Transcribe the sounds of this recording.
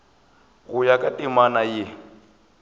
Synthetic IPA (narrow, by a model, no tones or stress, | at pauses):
ɣʊjakʼatʼimanajɪ